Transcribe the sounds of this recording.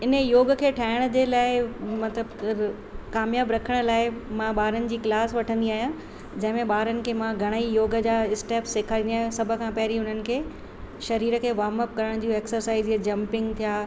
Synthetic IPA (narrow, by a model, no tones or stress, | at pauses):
ɪnəjoːɡə̆kʰeːʈʰaːɪɽ̃ə̆d͡ʑeːlaːɪmɐt̪ləb | kaːmjaːbɾɐkʰəɽ̃ə̆laːɪmãɓaːɾənɪ̆d͡ʑiːklaːsʋɐʈʰə̃nd̪iaːɦjã | d͡ʑɐ̃ɦɪ̃mẽɓaːɾənɪ̆kʰeːmãɡʱɐɽ̃əijoːɡəd͡ʑaːɪsʈeːpsːeːkʰaːɾĩniaːɦj̃sɐbʱə̆kʰãpɐɦɪɾiʊn̤ənɪ̆kʰeː | ʃɐɾiːɾəkʰeːʋaːməp̚kɐɾəɽ̃d͡ʑũːeːksəɾsaːɪzd͡ʑɐ̃mpɪ̃ŋɡt̪ʰijaː